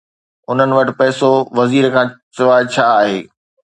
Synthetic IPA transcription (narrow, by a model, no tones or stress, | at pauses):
ʊn̤ənɪ̆ʋɐʈɪ̆pɛːsoʋɐziːɾkʰãːt͡ɕʊʋaːt͡ɕʰaːaːɦeː